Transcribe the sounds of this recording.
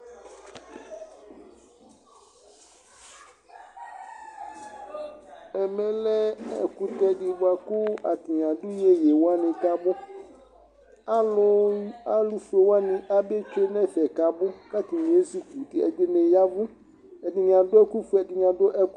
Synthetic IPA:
ɛ˨mɛ̃˨lɛ˦ɛ̰˨ku˨tɛ˨dɪ˨ba˨kʊ˦a˨tɪ˨ɲ˨ã˨dʊ˦je˦je˨wa˦nɪ̃˨ka˦bʊ˦ | a˦lʊ˦a˦lu˨fu˨e˨wa˦nɪ̃˨ʔa˦be˦t͡ʃe˦nɛ̃˦˨fɛ˨ka˨bʊ˦ka˦ti˨nĩ˨e˦su˨ku˨tɪ˨ɛ̰˨dɪ˦me˨ja˦vʊ˦ | ɛ˨dɪ˨ɲ˨ã˨dʊ˦ɛ˦ku˦fu˦ɛ˨dɪ˨ɲ˨ã˨dʊ˦ʔɛ˦k

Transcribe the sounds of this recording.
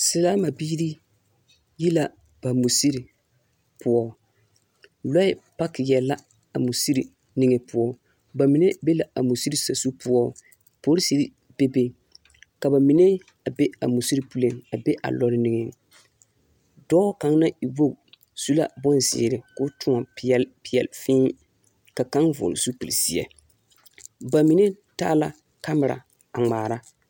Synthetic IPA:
sɪ˨laː˦ma˨biː˦ɾi˦ | ji˦la˨ | b̥a˨mu˨si˦ɾi˨ | pʊ˦ɔ˦ | lɔ˦ɪ˦pa˦kɪ˨jɛ˨la˦ | a˨mu˨si˦ɾi˨ | ni˨ŋɛ˨pʊ˦ɔ˦ | ba˨mɪ˨nɛ˦be˦la˨a˨mu˨si˦ɾi˨sa˨su˦pʊ˦ɔ˦ | po˦ɾi˦si˦ɾi˦ | b̥e˦be˨ | ka˨ba˨mɪ˨nɛ˦ | a˨be˦a̰˨mu˨si˦ɾi˦pu˦le˦˨ŋa˨be˦ʔa̰˨lɔ˦ɾɪ˦ni˨ŋɛ˨ | dɔː˦ka˨ŋ˦na˦i˨bo˦ɡ | su˦la̰˦˨bɔ˦nzɪ̰ː˨ɾɪ˨kʊ˦tʊ˦ŋa˨˦ɛ˦lpɪ˨ɛ̰˨lfɪː˦ | ka˨ka˦ŋvʊ̰˨lsu˦pi˨li˨si˨˦ɛ̰˨ | ba˨mi˨ne˦ | taː˦la˨ | ka˦m˨ɾa̰˨ | a˨ŋ͡maː˨ɾa˦

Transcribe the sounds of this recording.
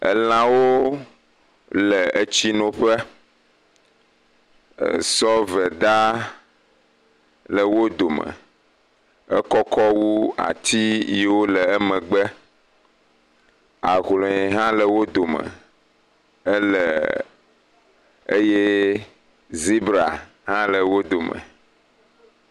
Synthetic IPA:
ə̰˨lã˦wo˦ | lə˨ə˦t͡ɕi˦nõ˨ɸə˦˨ | sɔ˦vɛ˨d̪a˦ | lə˨wo˦d̪o˨mə̰˨ | ə˦kɔ˦kɔ˦wu˦a̰˨t̪ʰi˦je˨wo˦lə˨ə˦mə̃˨ɡ͡bə˦ | a˨ɣlɔ̃˨ɛ˨ɦã˦lə˨wo˦d̪o˨mə̰̃˨ | ə˦lə̰˨ | ə˦je˦ | zi˦bɾa˨ | ɦã˦lə˨wo˦d̪o˨mə̰˨

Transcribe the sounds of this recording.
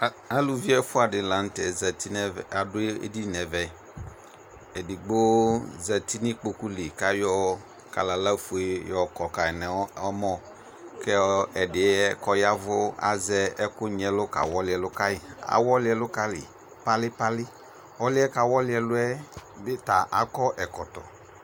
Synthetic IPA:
a˨lu˨vi˦ɛ˦fʊ˦a˨dɪ˨la˨n̩˦tɛ˨zɛ˨ti˦nɛ˦˨a˨dʊ˦e˦ḛ˦di˦nɛ˨vɛ˨ | ɛ˨dɪ˨ɡ͡bo˦zɛ˨ti˦ni˦k͡po˨ku˦lɪ˨ka˦jɔ˦ | ka̰˨la˨la˦fu˨e˦jɔ˨kɔ˨ka˨ɛ˨nɛ˨˦ɔ˦mɔ˦ | kɛ˦ɛ˨dɪ˨ɛ˦ɛ˦kɔ˦ja˦vʊ˦a̰˨zɛ˦ɛ˦kʊ˦ɲ˨ɛ˨lʊ˦ka̰˨wɔ˦lɪ˨˦ɛ˨lʊ˦ka˦jɪ˨a̰˨wɔ˦lɪ˦ɛ˦lʊ˦ka˦lɪ̰˨ | pa˦lɪ˦pa˦lɪ˦ | ɔ˦lɪ˦ɛ˦ka˨wɔ˦lɪ˦ɛ˨lʊ˦ɛ˦bɪ˦ta˨ʔa̰˨kɔ˦ʔɛ˨kɔ˨tɔ̰˨

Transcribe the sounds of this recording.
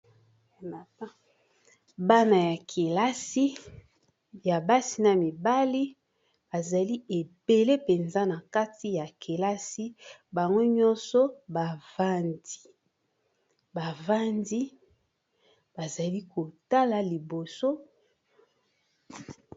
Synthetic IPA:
na˨a˦ | ba˦na˨ja˨kʰe˨la˦si˦ | ja˨ba˦si˨na˨mi˨ba˦li˦ | ba˨za˨li˦e˨be˨le˦pe˨nza˦na˨ka˦ti˦ja˨ke˨la˦si˦ba˨ŋɡo˦ɲɔ̃˦nsɔ˦ba˨va˦ndi̥˨ | ba˨va˦ndi˦ | ba˨za˨li˦ko˨ta˦la˨li˨bo˨so˦

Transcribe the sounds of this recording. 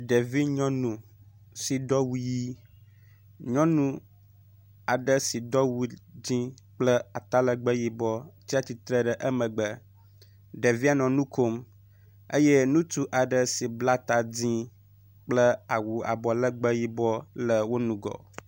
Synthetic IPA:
ɖe˨vi˦ɲɔ̃˦nũ˨ | si˨d̪ɔ˦wu˦ji˦ | ɲɔ̃˦nũ˦ | a˨ɖə˦si˨d̪ɔ˦wu˦d͡ʑĩ˦k͡plə˦a˨t̪a˦lə˦ɡ͡bə˦ji˦bɔ˦t͡ɕi˦a˦t̪i˨t̪ɾə˦ɖə˨ʔə˦mə̃˨ɡ͡bə˦ | ɖə˨vi˦a˨nɔ̃˨nũ˦kʰo˦m | e˦je˦nũ˦t̪u˦ʔa˨ɖə˨si˨bla˦t̪a˨d͡ʑĩ˦ | k͡plə˦a˨wu˨a̰˨bɔ˨lə˦ɡ͡bə˦ji˦bɔ˦lə˨wo˦nũ˨ɡɔ̰˨

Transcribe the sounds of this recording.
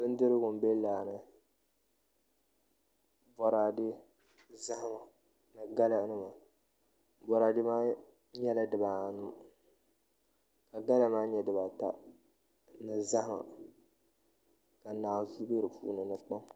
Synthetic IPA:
bɨ˦n˦dɨ˦ɾɨ˦ɡʊ˨m˨be˦laː˨nɨ˨ | bɔ˨ɾa˨dɪ˦ | za˦hma˨ | nɨ˨ɡa˦la˦nɨ˦ma˨ | bɔ˨ɾaː˨dɪ˦maː˦ | ɲɛ˦la˦dɨ˨ba˨nu˦ | ka˨ɡa˦la˦ma˦ɲɛ˨dɨ˨ba˨ta̰˦ | nɨ˨za˦hma̰˨ | ka˨naː˨zu˦be˦ɾɨ˨pʰṵː˦nɨ˨nɨ˨k͡pa˦ŋ

